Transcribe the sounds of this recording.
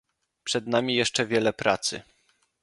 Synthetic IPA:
pʂɛd̪namʲijɛʂt͡ʂɛvʲjɛlɛpɾat̪sɘ̰

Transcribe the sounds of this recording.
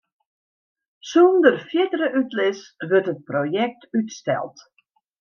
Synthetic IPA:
sundərfjɪtərəʔytlɪsʋɵrtɦət̚projɛk̚tytstɛ̰lˠt

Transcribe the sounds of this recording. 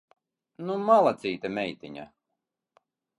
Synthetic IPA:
numalˠat̪siːt̪amʲɛjt̪ʲiɲa̰

